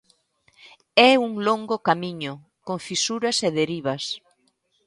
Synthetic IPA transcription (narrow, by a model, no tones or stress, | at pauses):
ɛuŋloŋɡokamiɲʊ | koŋfisuɾɐseðeɾiβ̞ɐs